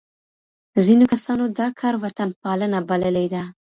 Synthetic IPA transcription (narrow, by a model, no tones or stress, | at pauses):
zinokasɑnod̪ɑkʰɑɾwat̪anpɑlənabaləled̪a